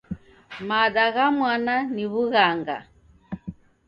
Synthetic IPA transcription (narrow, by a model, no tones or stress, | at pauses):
maɗaɣamwananiβuɣaŋɡa̰